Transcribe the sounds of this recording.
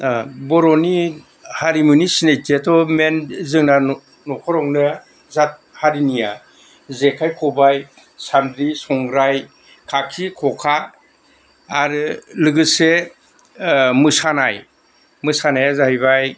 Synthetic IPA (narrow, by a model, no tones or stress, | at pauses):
bɔɾɔni | haɾimunisinetʰetʰɔmenzɯŋna | nɔkʰɔɾɔŋnɯ | zat̚haɾinija | zekʰajkʰɔbaj | sandɾisɔŋɾaj | kʰakʰikʰɔkʰa | ɾɯlɯɡɯse | mɯsanaj | mɯsanajazaɦijβaj